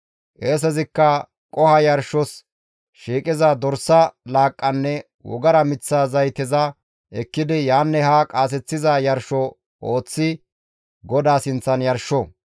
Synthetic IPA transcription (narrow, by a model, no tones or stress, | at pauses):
ʔeːs̬ɛzɪkːɐ | kʼɔhɐjɐɾʃɔs | ʃiːkʼɪzɐd̪ɔɾsːɐlaːkʼːɐnːɛ | wɔ̰ɡɐɾɐmɪt͡sːaːzɐjt̪ɪzɐ | ʔɛkːɪd̪ɪjaːnːɛhakʼaːs̬ɛt͡sːɪzɐjɐɾʃɔ | ʔoːt͡sːɪ | ɡɔd̪aːsɪnt͡sːɐnjɐɾʃɔ